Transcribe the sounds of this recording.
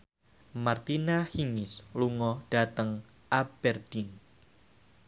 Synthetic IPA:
mart̪inahiŋɪsluŋɔd̥at̪əŋ | ʔab̥ɛrd̥ɪŋ

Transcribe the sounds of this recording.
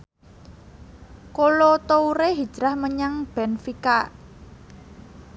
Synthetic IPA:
kolot̪ouɾeɦi̥ʒ̥ɾahməɲaŋb̥ɛnfikaʔ

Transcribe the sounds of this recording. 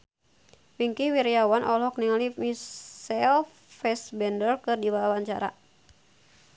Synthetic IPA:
wiŋkiwiɾijawanʔɔlɔkniŋalimisɛl | fɛsbɛndərkɨrdiwaawaɲt͡ʃaɾa̰

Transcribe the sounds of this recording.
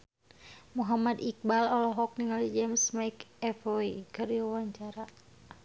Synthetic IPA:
muɦamad̪ik̚balɔlɔɦɔk̚niŋalid͡ʒɛmsmaikɛfoikɨriwawaɲt͡ʃaɾa

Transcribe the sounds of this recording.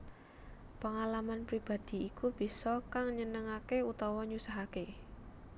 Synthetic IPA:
pəŋalamanpɾib̥a̤d̪̥i̤ːkub̥i̤sɔkaŋɲənəŋakeut̪ɔwɔɲusaɦake

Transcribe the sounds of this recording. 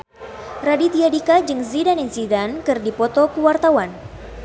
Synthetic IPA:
radit̪iadikad͡ʒɨŋzidaninsidankɨrdipɔt̪ɔkuwart̪awan

